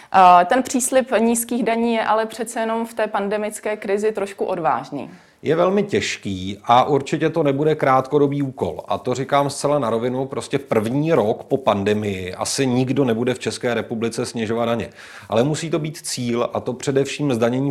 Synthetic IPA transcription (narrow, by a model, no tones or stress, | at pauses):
t̪ɛnpr̝̥iːslɪpɲiːskiːɣdaɲiːjɛʔalɛpr̝̥ɛt̪t͡sɛjɛno̞mft̪ɛːpandɛmɪt͡skɛːkɾɪzɪt̪ɾoʃkuʔo̞dva̰ːʒɲḭː | jɛvɛlmɪcɛʃkiːʔaʔuɾt͡ʃɪcɛt̪o̞nɛbudɛkɾaːt̪ko̞do̞biːuːko̞̰lʔa̰t̪o̞rɪkaːmst͡sɛlanaɾo̞vɪnupɾo̞scɛpr̩vɲiːɾo̞kpo̞pandɛmɪjɪʔa̰sɪɲɪɡdo̞nɛbudɛft͡ʃɛskɛːɾɛpublɪt͡sɛsɲɛʒo̞vat̪naɲɛ̰ | ʔa̰lɛmusiːt̪o̞biːt̪t͡siːlʔat̪o̞pr̝̥ɛdɛfʃiːmzdaɲɛɲiː